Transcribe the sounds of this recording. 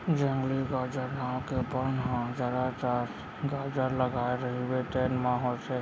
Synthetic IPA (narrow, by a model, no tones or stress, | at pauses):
d͡ʒə̃ŋɡliɡad͡ʒəɾnakebənɦãd͡ʒaɾat͡ʃaɾs | ɡad͡ʒəɾləɡaeɾəɦibeʈeːnmãɦot͡ʃe